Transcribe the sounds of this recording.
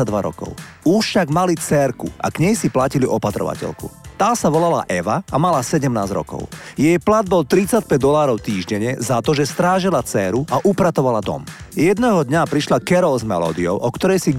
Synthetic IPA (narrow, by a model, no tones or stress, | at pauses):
ad̪ʋaɾɔ̰kɔ̰ʊ | uʃfʃaɡmalit͡sɛːɾkṵʔa̰kɲɛjsiplaciliʔɔpat̪ɾɔ̰ʋa̰cɛ̰lkṵt̪aːsaʋɔlala̰ʔɛʋaamalasɛɟɛmnaːzɾɔ̰kɔ̰ʊjɛjplad̪̚bɔlt̪ɾit͡sac̚pɛɟ̚d̪ɔlaːɾɔʊt̪iːʒɟɛɲɛzat̪ɔʒɛst̪ɾaːʒilat͡sɛːɾuʔaʔupɾat̪ɔʋalad̪ɔ̰mjɛd̪nɛɦɔd̪ɲapɾiʃlakɛɾɔzmɛlɔ̰ːd̪iɔʊʔɔkt̪ɔɾɛjsi